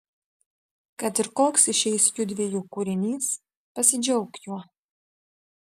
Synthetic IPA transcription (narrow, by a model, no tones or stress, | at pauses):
kɐt̪ɪɾkoːksɪʃʲɛɪsjʲud̪ʲʋʲijuːkuɾʲɪnʲiːs | pɐsʲɪd͡ʒʲɛʊkjuɔ